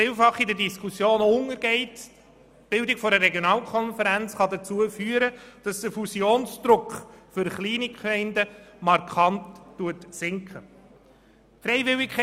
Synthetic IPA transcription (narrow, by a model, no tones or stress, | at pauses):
ɪːlfɑχidədiskʰusjoːnʊŋəɾɡɛɪt | b̥ɪldɪkfɔɾəɾɛɡjonɑːlkʰɔnfəɾænt͡sχɑdət͡suəfyːəɾəd̥ɑsd̥əfusjoːnsd̪̥ɾʊkχfʏɾχliːnikχɛɪndəmɑɾkʰχɑntːuətsɪŋkχə | fɾɛɪvɪlɪkkʰ